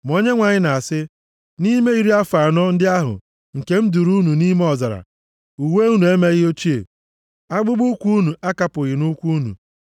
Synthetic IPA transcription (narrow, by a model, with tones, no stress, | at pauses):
m˨o˦ɲe˦ŋʷa˨ɲɪ˦na˨a˨sɪ˦ | ni˦me˦i˨ɾi˦a˦fa˨nɔ˦n̩˦dɪ˦a˦ɦʊ̰˨ | ŋ̩˨ke˦m̩˦du˨ɾu˦nu˨ni˦me˦ɔ˨za˨ɾa̰˨ | u˨we˦u˦nu˨e˦me˦ɣɪ˦o˦t͡ʃi˦ḛ˨ | a˦ɡ͡bʊ˦ɡ͡bu˦kʷu˦nu˨a˦ka˦pʊ˨ɣɪ˨nu˦kʷu˦nṵ˨